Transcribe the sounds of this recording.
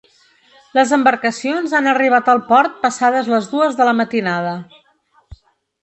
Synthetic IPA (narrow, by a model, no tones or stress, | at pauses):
ləzəmbəɾkəsionzanəriβ̞at̪əlˠpɔɾt̪̚pəsaðəzləzðuəzðələmət̪inaðə